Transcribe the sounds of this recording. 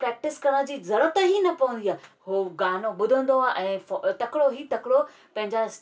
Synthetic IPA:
pɾɛːk̚ʈɪskɐɽə̃d͡ʑiːzɐɾət̪əɦinɐpɐʋə̃nd̪iaːɦoɡaːnõɓʊd̪ʱə̃nd̪oaːʔɛ̃ːft̪ɐkɪɽoɦiːt̪ɐkɪɽo | pɐ̃ɦɪ̃ɲd͡ʑas

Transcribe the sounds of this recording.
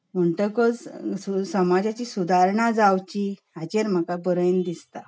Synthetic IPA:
m̤əɳʈəkəd͡zusəmad͡ʑat͡ɕisud̪ʱaɾɳad͡zawt͡ɕi | at͡ɕeɾm̤akabəɾəjnd̪ist̪a

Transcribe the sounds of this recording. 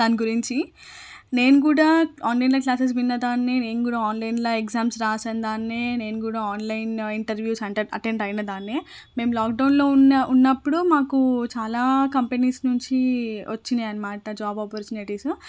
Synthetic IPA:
d̪aːniɡuɾiɲt͡ʃi | ne̞ːnukuːɽaːaːnlɐjnlɐːklaːs̬es̬ʋinːɐd̪aːnːene̞ːnukuːɽaaːnlɐjnloekzaːmsɾaːsaːnd̪aːnːeːne̞ːnukuːɽaːaːnlɐjniɳʈɐɾʋjuːsɐɳʈɐɾɐ̰ʈeɳɖɐjnɐd̪aːnːeː | me̞ːmlaːk̚ɖɐwnlo̞ːunːɐʔunːɐpːuɽumaːkut͡ʃaːlaːkɐmpeniːsnuɲt͡ʃiʋɐt͡ʃːineɐnimaːʈɐd͡ʒaːbaːpoɾt͡ʃuːniʈiːsu

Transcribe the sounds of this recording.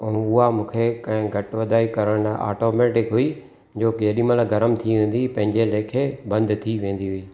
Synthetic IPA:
ɛ̃ʊɦamũːkʰekɐ̃ɦɪ̃ɡʱɐʈʋɐd̪ʱaːikɐɾəɽ̃a̰ːʈoːmeːʈɪkɦʊi | d͡ʑoːkeɦɗĩːməlɡɐɾəmt̪ʰiʋẽːn̆d̪ipɐ̃ɦɪ̃ɲd͡ʑeleːkʰebɐ̃nd̪t̪ʰiʋẽːn̆d̪iɦʊiː

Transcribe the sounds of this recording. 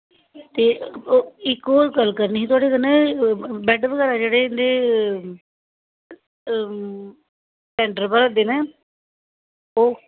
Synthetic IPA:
t̪eːoɪkːoːlkəlkəɾniːɦit̪ʊaːɽeːkənɛ̃ːbɛɖʋəɡɛːɾaːd͡ʒeːɽeːɪnd̪eː | ʈɛ̃ːɳɖəɾpəɾad̪eːnɛː | oː

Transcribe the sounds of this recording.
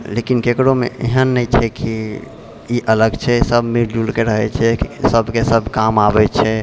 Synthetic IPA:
lekinkekɽomḛʔḛɦənːəjt͡ʃʰɛki | iʔələɡt͡ʃʰɛsəbʱmiɾd͡ʒulkeɾəɦɛt͡ʃʰɛsəbʱkesəbʱkamabɛt͡ʃʰɛ

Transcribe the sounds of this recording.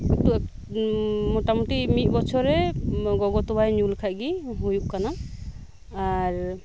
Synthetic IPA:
tu | mɔtamutimit̪̚bɔt͡ʃʰɔɾɛɡɔɡɔt̪ɔajnulkʰaʔɡiɦujuʔkana | aɹ

